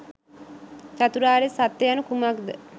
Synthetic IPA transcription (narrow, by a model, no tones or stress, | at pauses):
t͡ʃat̪uɾaːɾesat̪ːejanəkumakd̪ə